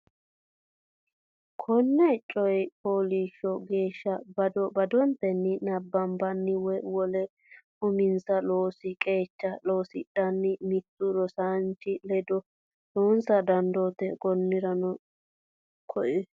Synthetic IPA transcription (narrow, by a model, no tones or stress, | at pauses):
kʰɔnːɛt͡ʃʼɔjpʰoːliːʃɔɡeːʃːɐbɐd̪ɔbɐd̪ɔnt̪ɛnːɪnɐbːɐmbɐnːɪwɔjwɔlɛ | ʊmɪnsɐloːsɪkʼe̞ːt͡ʃːɐloːsɪ̰ɗɐnːɪmɪt̪ːʊɾɔsant͡ʃːɪlɛd̪ɔ | loːnsɐd̪ɐnd̪oːt̪ɛkɔnːɪɾɐnɔ | kʰɔʔɛ